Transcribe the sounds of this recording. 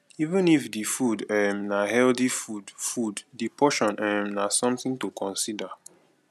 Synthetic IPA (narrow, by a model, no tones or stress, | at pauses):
ivĩnifdifudɛmnaɦɛldifudfuddipʰɔʃɔ̃nɛmnasɔ̃mθĩŋtukʰɔ̃nsida